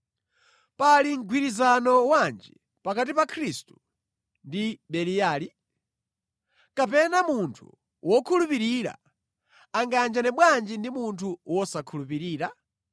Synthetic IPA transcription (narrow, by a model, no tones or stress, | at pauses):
paliŋ̩ɡʱwiɾizanɔwand͡ʒi | pakat̬ipakʰɾistu̥ | ndiɗɛlijaːli | kapɛnamuntʰṵ | wɔkʰulupiɾiɾa̰ | aŋɡand͡ʒanɛɓwand͡ʒindimuntʰuwɔsakʰulupiɾiːɾa